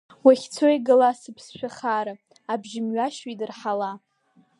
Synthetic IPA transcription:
waχʲt͡sʰojɡɨlasɨpʰsʃᶣaχaɾa | abʒɪmɥaʃidɨrħala

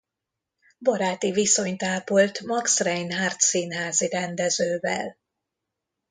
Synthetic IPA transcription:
bɒɾaːt̪iviso̞ɲt̪aːpolt̪mɒksrɛjnɦaːrt̪sinɦaːziɾɛnd̪ɛzøːvɛ̰l

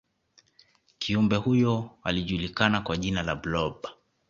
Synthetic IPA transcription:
kiumbɛhujɔa̰liʄulikanakwaʄinalablɔɓa

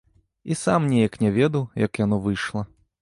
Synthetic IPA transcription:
isamnʲejɐknʲɛvʲɛd̪ɐwjɐkjanɔvɨjʂlˠɐ

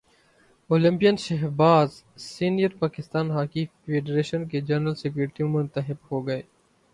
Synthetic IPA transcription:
oːlɪ̃mpijənʃɐɦbaːz | siːnijəɾpaːkɪst̪aːnɦaːkifeːɖɾeːʃənked͡ʒɐɾnəlsekuːɾɪʈiũmʊ̃nt̪əɦɪbhoːɡɐeː

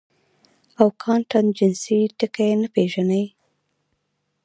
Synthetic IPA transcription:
awkʰɑnʈand͡ʒɪnsiʈəkajenapeʒanəj

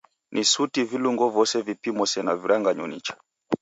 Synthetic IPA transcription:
nʔisutiviluŋɡɔvɔsɛvipimɔsɛnaviɾaŋɡaɲɔnit͡ʃḁ

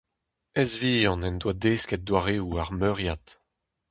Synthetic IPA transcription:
ɛzviɑ̃nɛnd̪wad̪eːskɛt̚d̪waʁeuaʁmøʁjat̪

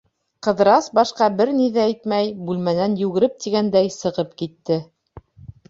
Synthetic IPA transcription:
qɤ̆ðɾɑsbɑʃqɑbɘɾniðææjt̪mæjbʉlmænænjʉɡɘ̆ɾɘp̚t̪iɡænd̪æjsɤ̆ʁɤpkit̪ːɘ

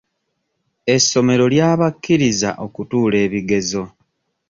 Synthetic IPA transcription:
e̞sːo̞me̞ɾo̞ljaːβakːiɾiza̰ʔo̞kutuːle̞ːβiɡe̞zo̞

